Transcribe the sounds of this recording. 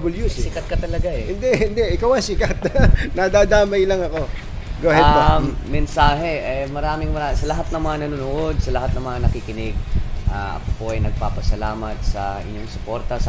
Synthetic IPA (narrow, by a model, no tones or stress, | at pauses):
bɪljusɪsɪkɐt̪̚kɐt̪ɐlɐɡaɛhɪnd̪ɛhɪnd̪ɛʔɪkawɐjsɪkat̪̚nɐd̪aːd̪aːmɐjlɐŋɐko̞ | ɡohɛbaːɛnsaːɦɛʔɛjmɐɾaːmɪŋmɐɾasɐlɐɦat̪̚nɐŋmɐŋanɐnuːnʊʔo̞d̪̚sɐlɐɦat̪̚nɐŋmɐŋanɐkikɪnɪɡ̚ʔaʔɐ̰kopo̞ʔɐjnɐɡ̚paːpɐsɐlaːmɐt̪̚sɐ̰ʔɪ̰ɲoŋsʊpoɾt̪ɐsɐ